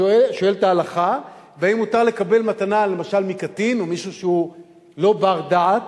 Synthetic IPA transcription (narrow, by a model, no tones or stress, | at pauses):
eʃo̞e̞ltaːlaχa | veaimutaʁle̞kabe̞lmatanale̞maʃalmikatinomiʃuʃeu | lo̞baʁdaʕat